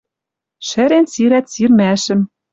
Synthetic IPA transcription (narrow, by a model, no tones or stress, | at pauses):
ʃɘ̆ɾensiɾæt̪sirmæʃɘ̆m